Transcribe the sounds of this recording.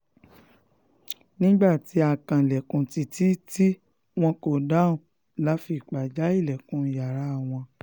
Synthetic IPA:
nĩ˦ɡ͡ba˦˨ti˨˦a˧˨kã˨lɛ˨kũ˨ti˨ti˦ti˦ | w̃ɔ̃˧ko˨da˨˦ũ˨ | la˨˦fi˧˨k͡pa˨d͡ʒa˨˦i˦˨lɛ˨kũ˨˦ja˨ɾa˨˦˨w̃ɔ̃˧

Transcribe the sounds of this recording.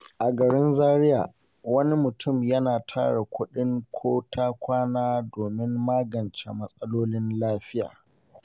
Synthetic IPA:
ʔa˨ɡɐ˨ɽɪ˦nzaː˦ɾɪ˦ja̰ː˨ | wɐ˦ni˦mʊ˨tʊ˦˨mjɐ˦naː˨tʰa̰ː˦ɽe˨kʷʊ˦ɗɪ˦ŋkʷʰoː˦tʰaː˦kʷaː˦naː˦doː˨mɪ˦mːaː˦ɡɐ˨nt͡ʃḛ˨mɐ˦sʼɐ˦loː˦lɪ˦nlaː˦ɸɪ˦ja̰ː˨

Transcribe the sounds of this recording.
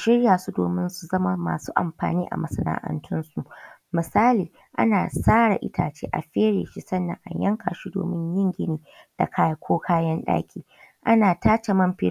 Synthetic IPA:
ʃɪ˦ɽjaː˨su˦doː˨mɪ˦nsu˨zɐ˦ma˦ma̰ː˨suː˦ʔa˨mɸaː˨niː˦ʔa̰˨mɐ˦sɐ˦na̰ː˦ʔɐ̰˦ntʰʊ˦nsu˨ʔmɪ˨saː˦liː˨ | ʔa̰˦naː˨saː˦ɽa̰˨ʔɪ̰˦tʰaː˨t͡ʃeː˦ʔa̰˨ɸeː˦ɽeː˨ʃi˦sɐ˦nːɐ̰˨ŋʔa̰˨ɲjɐ˦ŋkʰa̰˨ʃi˦do̰ː˨mɪ˦ɲjɪ˦ŋɡʲɪ˦niː˨ | d̥a̰˨kʰaː˦jkʷoː˦kʰaː˦jɐ˦nɗa̰ː˦kʲʰiː˨ | ʔa˦naː˨taː˦t͡ʃe˨mɐ˦mɸe˦

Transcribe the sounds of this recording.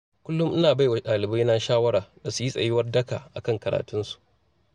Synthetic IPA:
kʷʊ˦lːʊ˦mʔɪ˦naː˨ba˦jwa˨ɗaː˨lɪ˨ba˦jna˦ʃaː˦wɐ˦ɾaː˨da˨su˨ji˦sʼɐ̰˨jɪ˦wɐ˦rdɐ˦kaː˨ʔa̰˨kɐ˦ŋkɐ˨ɾa̰ː˨tʊ˦nsu̥˨ʔ

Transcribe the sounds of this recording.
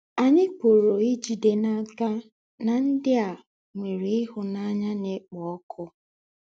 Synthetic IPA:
a˨ɲɪ˦k͡po˨ɾo˨i˦d͡ʒi˨de˨na˦ka˦ | na˨n̩˦dɪ˦a˨ | ŋʷe˨ɾe˦ɪ˦ɦʊ˨na˦ɲa˦ne˦k͡pɔ˨˦kʰʊ˦

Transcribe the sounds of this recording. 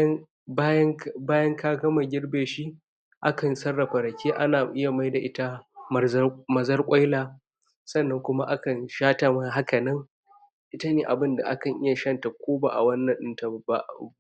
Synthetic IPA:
a˦jɐ˦ŋbaː˦jɐ˦ŋkʰaː˦ɡɐ˦ma˨ɡʲɪ˦rbeː˨ʃi˦ | ʔa˦kɐ˨nsɐ˦rːɐ˨ɸa˨ɽɐ˨kʲeː˦ʔa˦naː˨ʔɪ˦ja˨ma˦jda˨ʔɪ˦ta˦˨˦ | mɐ˨zɐ˦rkʷʼa˦jlaː˨ | sɐ˦˨nːɐ˦ŋkʷʊ˦ma˦ʔa˦kɐ˨nʃaː˦ta˨mɐ˦ɦa˦kɐ˨nɐ˦ŋ | ʔɪ˦ta˦neː˨ʔa˨bɪ˦nda̰˨ʔa̰˦kɐ˨ŋʔɪ˦ja˨ʃɐ˦nta˨kʷoː˦ba̰ː˦˨ʔa˨wɐ˦nːɐ˨ɗɪ˦nta˨ba̰˦

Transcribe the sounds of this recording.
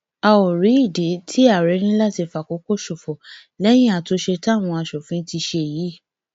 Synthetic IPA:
a˧o˨ɾi˨˦i˦˨de˨˦tʰi˦a˦˨ɾe˨˦ñĩ˦la˦˨ti˧fa˨ko˨˦ko˦˨ʃo˨fɔ˨ | lɛ˦j̃ĩ˦a˨to˨˦ʃe˧ta˦˨w̃ɔ̃˧a˧ʃɔ˨fĩ˨˦ti˧ʃe˧˨jiː˨˦˨

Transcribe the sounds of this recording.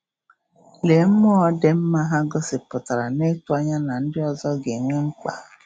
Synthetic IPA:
le˨m̩˦mɔ˦ɔ˦de˦m̩˦ma˦ɦa˦ɡɔ˦sɪ˨pʊ˨ta˨ɾa˨ne˦tu˦a˦ɲa˦na˨n̩˦dɪ˦ɔ˨zɔ˦ɡe˨ŋʷe˦ŋ͡m̩˦k͡pa̰˨

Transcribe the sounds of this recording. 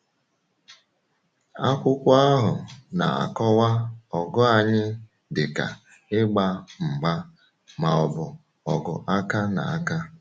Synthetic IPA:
a˦kʷʊ˦kʷʊ˦a˦ɦʊ˨na̰˨a̰˨kɔ˦wa˦ɔ˨ɡɔ˦a˨ɲɪ˦ | dɪ˨ka̰˨ | ɪ˦ɡ͡ba˦m̩˨ɡ͡ba˦ | ma˨ɔ˨bʊ˨ | ɔ˨ɡʊ̰˨ʔa˦ka˦na̰˨a˦ka˦

